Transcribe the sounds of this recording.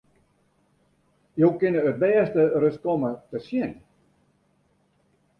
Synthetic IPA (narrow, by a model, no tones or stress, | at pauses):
jowkɪnəət̚bɛːstərøskɔmətəsjɪn